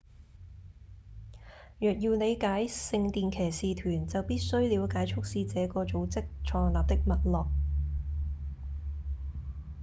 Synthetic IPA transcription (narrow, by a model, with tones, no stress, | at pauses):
jœː˨k̚jiː˧wne˨˧jkaː˨˥jsɪ˧ŋt̪iː˨˧nkʰɛː˨˩siː˨t̪ʰyː˨˩nt͡sɐ˨wpiː˥t̚sɵ˥ɥliː˨˧wkaː˨˥jt͡ʃʰʊ˥k̚siː˧t͡sɛː˨˧˥kɔː˧t͡so˨˧wt͡sɪ˥k̚t͡ʃʰɔː˨˧ŋlaː˨p̚t̪ɪ˥k̚mɐ˨t̚lɔː˨˩k̚